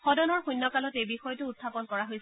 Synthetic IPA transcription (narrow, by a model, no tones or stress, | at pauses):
xɔdɔnɔɹxujnːɔkalɔtebixɔjɔtʊːtʰːapɔnkɔɹaɦojs